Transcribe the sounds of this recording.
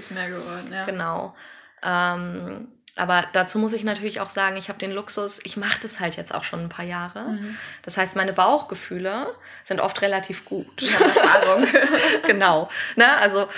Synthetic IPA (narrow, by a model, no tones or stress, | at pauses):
smeːɐɡəvɔɐdn̩jɡ̥ənaʊ | ʔɛm | ʔa̰ːbɐd̥at͡suːmʊs̬ɪçnatʰyːɐlɪça̰ʊxz̥aːɡŋ̩ɪçhaːbədeːnlʊksʊsʔɪçmaχədashaltjɛt͡sta̰ʊxʃoːnnpʰaːɐjaːʁəd̥ashaɪstmaɪnəbaʊxɡ̥əfyːlə | z̥ɪntʔɔ̰ftʁelatʰiːfɡ̥uːtaʊŋɡ̥ənaʊnəʔalzo